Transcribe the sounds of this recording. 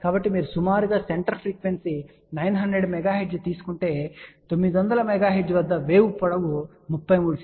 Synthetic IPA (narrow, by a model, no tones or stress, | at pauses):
kaːbɐʈːimiːɾusumaːɾuɡaːseɳʈɐɾpʰɾiːkʋensi | nɐjnɦɐnd̪ɾeɖmɛɡaːɦed͡ʒt̪iːsu̥kuɳʈe̞ːt̪o̞mːid̪iʋɐnd̪ɐlɐmɛɡaːɦed͡ʒʋɐd̪ːɐʋeːʋupːɔɽɐʋu | mupːɐjmuːɽut͡ʃ